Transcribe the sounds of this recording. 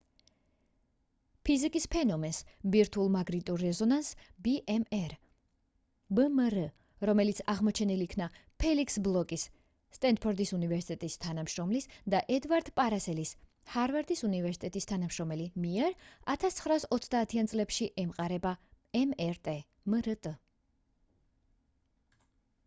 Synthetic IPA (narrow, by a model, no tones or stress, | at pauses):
pʰizikʼispʰɛnɔmɛnsbiɾt̪ʰulˠmaɡɾit̪ʼuɾːɛzɔnansbiʔɛmɛɾ | bmɾ | ɾɔmɛlit̪sʰaʁmɔt͡ʃʰɛniliːkʰnapʰɛlikʰsblˠɔkʼisː | t̪ʼɛnd̪̚pʰɔɾd̪isunivɛɾsit̪ʼɛt̪ʼist̪ʰanamʃɾɔmlisd̪aʔɛd̪vaɾd̪̥pʼaɾasɛlis | haɾvɛɾd̪isunivɛɾsi̥t̪ʼɛt̪ʼist̪ʰanamʃɾɔmɛlimiɛɾat̪ʰast̪sʰχɾaːsɔt̪sʰd̪aːt̪ʰiant̪sʼlɛpʃiʔɛmqʼaɾɛba | ɛmɛɾt̪ʼɛ | mɾət̪ʼə